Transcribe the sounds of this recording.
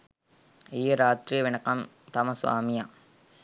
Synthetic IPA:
ijɐɾaːt̪ɾijɐʋɪnɐkːɐm | t̪ɐmɐsʋa̰ːmija

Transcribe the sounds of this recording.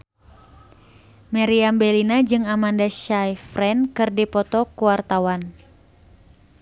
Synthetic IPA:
maɾiambɛlinad͡ʒɨŋamandaʃajfrɛnkɨrdipɔt̪ɔkuwart̪awan

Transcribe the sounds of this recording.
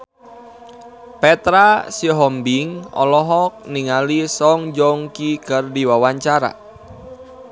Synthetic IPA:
pɛt̪ɾasiɦɔmbiŋɔ̰lɔɦɔk̚niŋalisɔŋd͡ʒɔŋkikərdiwawaɲt͡ʃaɾa̰

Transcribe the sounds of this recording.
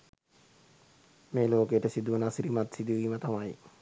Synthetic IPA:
meːloːkeəʈəsid̪uʋunasiɾimat̪sid̪uʋiːmət̪amaji

